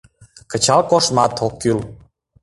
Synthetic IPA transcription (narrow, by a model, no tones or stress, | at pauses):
kə̆t͡ɕɑlkoʃmɑt̪ʰokːyl